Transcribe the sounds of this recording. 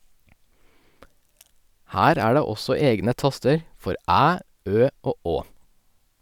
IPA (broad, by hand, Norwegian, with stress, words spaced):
ˈhæːɾ ˈæː ˈɖeː ˈɔsɔ ˈeːɡnə ˈtɑstəɾ ˈfɔɾ ˈæː ˈøː ˈoː ˈoː